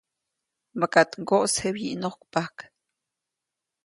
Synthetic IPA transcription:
bakat̪ŋɡoʔshebjḭʔnohkpahk

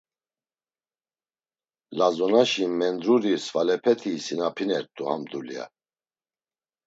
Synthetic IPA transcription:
lazɔnaʃimɛnd̪ɾuɾisvalɛpʰɛt̪ʰisinapʰinɛɾt̪ʰʼuha̰md̪ulia̰

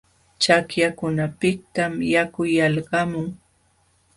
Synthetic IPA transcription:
t͡ʃakjakʊnapɪk̚t̪amjakʊjalɢɑmʊŋ

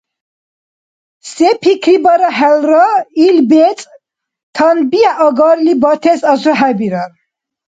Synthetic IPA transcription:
sɛpʰikʰɾibaɾaɦɛlɾailbɛt͡sʼ | t̪ʰanbiaʔɔɡaɾlibɔt̪ʰɛsasɔɦæbiɾaɾ

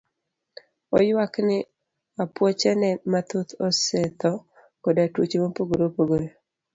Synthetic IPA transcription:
ɔjwaknɪ | apwɔt͡ʃɛnɛmat̪ot̪ɔsɛt̪ɔ | kɔdatwut͡ʃemopoɡoɾopoɡoɾo

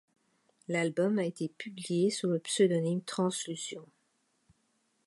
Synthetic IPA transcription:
lalbɔmaet̪epyblijesuləpsød̪ɔnimt̪χɑ̃slysjɔ̃

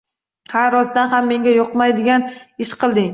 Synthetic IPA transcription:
haɾɾɒsd̪anɦamːe̞ŋɡʲajoqmajd̪ɪɡʲanɪʃqʰɨlˠd̪ɪŋ

